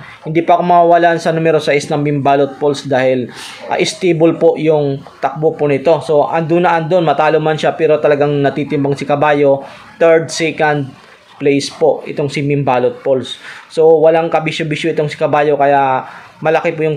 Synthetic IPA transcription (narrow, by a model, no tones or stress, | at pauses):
hɪnd̪iːpɐɐko̞mɐwawɐlaʔnsɐnumɛɾosɐʔɪsnɐŋmɪmbaːlot̪̚polsd̪aːhɪl | ʔɐ̰ːʔɪst̪ebolpo̞ʔjʊŋt̪ɐk̚bopʊnɪt̪o̞so̞ʔɐŋd̪ʊnːɐʔand̪onmɐt̪aːlomanʃapɛːɾo̞t̪ɐlɐɡaŋnɐt̪iːt̪ɪmbɐŋsɪkɐbaːjo̞ | t̪ɛɹd̪sɛkɐnd̪̚ | plejspo̞ʔɪt̪o̞ŋsɪmɪmbaːlot̪̚polsːo̞wɐlaŋkɐbiʃʊbiʃoʔɪt̪oŋsɪ̥kɐbaːjo̞kɐja | mɐlɐkepʊjʊŋ